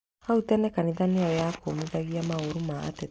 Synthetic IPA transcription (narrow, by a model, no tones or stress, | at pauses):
autɛnɛkaniðaneɔjakomiðaɣiamaoɾuma̰ːte